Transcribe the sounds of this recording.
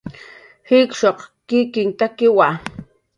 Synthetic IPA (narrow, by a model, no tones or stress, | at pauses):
hɪkʃoqkɪkɪŋt̪akɪwa